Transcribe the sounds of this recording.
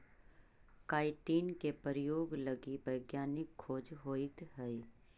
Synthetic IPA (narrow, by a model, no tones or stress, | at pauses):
kaːɪʈiːnkepəɾjoːɡləɡibɐɪɡjaːnɪkʰːoːd͡ʒɦoːɪt̪ɦɛi